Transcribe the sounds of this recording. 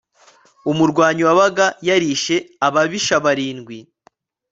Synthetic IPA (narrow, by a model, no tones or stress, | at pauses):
umuɾɡwaːɲiwaβaɡajaɾiʃe̞aβaβiʃaβaɾiːnɡwi